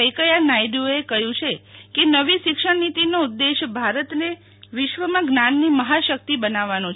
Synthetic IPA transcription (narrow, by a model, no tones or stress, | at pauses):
əjkəjanajɖjoekəɦjũt͡ʃʰekenəʋiʃɪkʃəɳnit̪inoud̪ːeʃbʱaɾət̪ne | ʋɪʃʋəmãɡnanːiməɦaʃək̚t̪ibənaʋanõt͡ʃʰ